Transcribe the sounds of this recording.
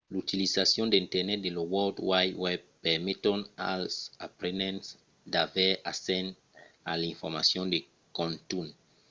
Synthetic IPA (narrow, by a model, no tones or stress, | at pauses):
lut̪ilisasjɔ̃nd̪eĩnt̪ɛɾnɛt̪̚d̪elowɔldwajwɛb̚pɛʁmit̪õna̰lsapɾenɛ̃ns | d̪avɛasɛ̃n | alĩɱfɔɾma̰sjɔ̃nd̪e | kɔ̃nt̪un